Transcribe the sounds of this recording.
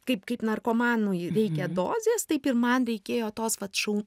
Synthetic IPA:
kɐɪpkɐɪpnɐrkoːmɑːnujɾʲɛɪkʲɛd̪oːzʲeːst̪ɐɪpɪɾmɐnɾʲɛɪkʲeːjoːt̪oːsʋɐt̪ʃɐ

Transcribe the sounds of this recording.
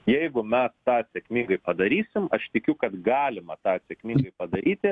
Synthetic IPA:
jɛɪɡʊmʲɛst̪ɑːsʲɛkmʲiːŋɡɐɪpɐd̪ɐɾʲiːsʲɪmɐʃt̪ʲɪkʲʊkɐt̪ɡɑːlʲɪmɐt̪ɑːsʲɛkmʲiːŋɡɐɪpɐd̪ɐɾʲiːt̪ʲɪ

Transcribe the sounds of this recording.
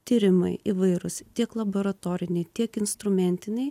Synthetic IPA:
t̪ʲiːɾʲɪmɐɪʔiʋɐɪɾʊst̪ʲiɛklˠɐboɾɐt̪oːɾʲɪnʲɛɪt̪ʲiɛkɪnst̪ɾʊmʲɛnʲt̪ʲɪnʲɛɪ

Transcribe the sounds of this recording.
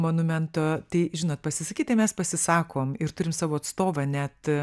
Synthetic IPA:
monʊmʲɛnt̪oːt̪ɐɪʒʲɪnoːt̪̚pɐsʲɪsɐkʲiːt̪ɐɪmʲɛspɐsʲɪsɑːkʰoːmɪɾt̪ʊɾʲɪmsɑːʋoːɐt̪st̪oːʋɐnʲɛt̪

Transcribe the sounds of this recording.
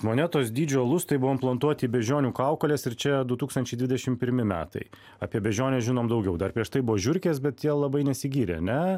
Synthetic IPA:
moːnʲɛt̪oːs̬d̪ʲiːd͡ʒʲoːlˠʊst̪ɐɪbʊʋoːmplˠɐnt̪uɔt̪ʲiːbʲɛʒʲoːnʲuːkɐʊkɐlʲeːsɪɾt͡ʃʲɛd̪ʊt̪uːkst̪ɐnʲt͡ʃʲɛɪd̪ʋʲɪd̪ʲɛʃʲɪmpʲɪɾʲmʲɪmʲæ̰ːt̪ɐ̰ɪ | ɐpʲiɛbʲɛʒʲoːnʲeːʒʲɪnoːmd̪ɐʊɡʲɛʊd̪ɐrpʲɾʲiɛʃt̪ɐɪbʊʋoːʒʲʊɾʲkʲeːsbʲɛt̪jiɛlˠlˠɐbɐɪnʲɛsʲɪɡʲiːɾʲḛɐ̰nʲɛ

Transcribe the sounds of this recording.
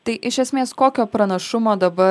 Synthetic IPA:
t̪ɐɪʔɪʃʲɛsʲmʲeːskoːkʲoːpɾɐnɐʃʊmoːd̪ɐbɐ

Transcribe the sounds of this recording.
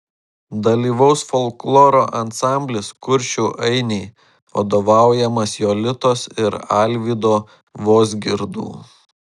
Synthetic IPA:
d̪ɐlʲiːʋɐʊsfɔlˠklˠoːɾoːʔɐnsɑˑmʲbʲlʲɪskʊɾʲʃʲuːʔɐɪnʲɛɪ | ʋɐ̰d̪oːʋɑˑʊjɛmɐsjoːlʲɪt̪oːsɪɾɑlʲʋʲiːd̪oː | ʋoːzʲɡʲɪɾd̪ṵː

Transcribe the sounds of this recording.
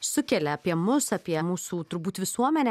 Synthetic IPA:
sʊkʲɛlʲɛɐpʲiɛmʊsɐpʲiɛmuːsuːt̪ʊɾbuːt̪ʋʲɪsuɔmʲɛnʲɛ

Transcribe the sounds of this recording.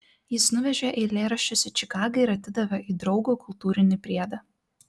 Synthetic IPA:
jɪsnʊʋʲɛʒʲeʔɛlʲeːɾɐʃʲt͡ʃʲʊsʲɪt͡ʃʲɪkɑːɡɐɪɪɾɐt̪ʲɪd̪ɐʋʲɐʔiːd̪ɾɒʊɡoːkʊlˠt̪uːɾʲɪnʲɪpʲɾʲiɛd̪ɐ

